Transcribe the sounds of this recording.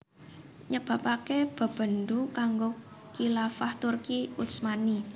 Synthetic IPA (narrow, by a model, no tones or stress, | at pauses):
ɲəb̥a̤pakeb̥ə̤b̥ə̤nd̪ukaŋɡo | kilafaht̪urkiusmani